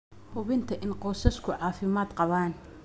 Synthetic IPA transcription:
hʊβɪnt̪ʰɐʔɪnqɔːsɐskʰʊʕɑːfɪmaːd̪qɑβaːn

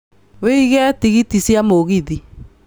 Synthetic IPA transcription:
weiɣɛtiɣitisjamoɣiði

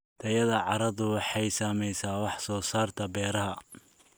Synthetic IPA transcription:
t̪ʰɐjɐðɐʕɑɾɐðʊwɑħɑjsaːmɛjsaːwɑħsɔːsaːrt̪ʰɐbɛːɾɐɦɐ

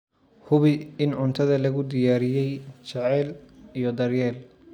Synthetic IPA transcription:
hʊβɪɪnʕʊnt̪ʰɐðɐlɐɣʊd̪ɪjaːɾɪjɛjt͡ʃɐʕɛːlijɔd̪ɐrjɛːl

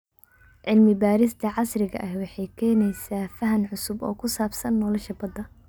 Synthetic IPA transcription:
ʕɪlmɪbaːɾɪst̪ʰɐʕɑsrɪɣɐ̰ʔɐhwɑħɑjkʰɛːnɛjsaːfɐɦɐnʕʊsʊbɔ̰ːkʰʊsaːbsɐnːɔːlɔʃɐbɐd̪ɐ

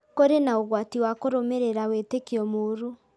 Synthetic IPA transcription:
koɾenaoɣwatiwakoɾomeɾeɾaweːtekiɔmoɾu

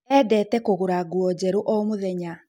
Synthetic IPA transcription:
ɛːdɛtɛkoɣoɾaɡuɔd͡ʑɛɾoʔɔmoðɛɲa

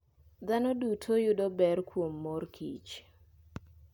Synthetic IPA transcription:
d̪anɔdutʰojʊdɔbɛrkwomːorkʰḭt͡ʃ

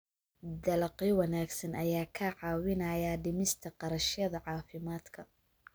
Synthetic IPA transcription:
d̪ɐlɐqjwɑnaːɡsɐnʔɐjaːkʰɐʕɑːwɪnɐjaɖɪmɪst̪ʰɐqɑɾɐʃjɐðɐʕɑːfɪmaːd̪kʰɐ

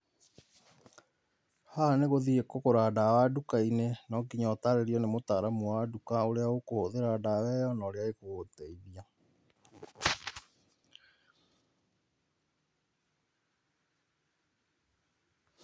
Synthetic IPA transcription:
haneɣoðiekokoɾaːdawadukainenɔɡiɲɔtaɾeɾiɔnemotaɾamuwadukaoɾeaokohoðeɾaːdawɛjɔnaːɾeaekoɣoteiðia

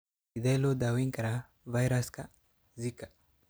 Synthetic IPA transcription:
id̪elod̪awiŋkaɾa | vajɾaska | zikḁ

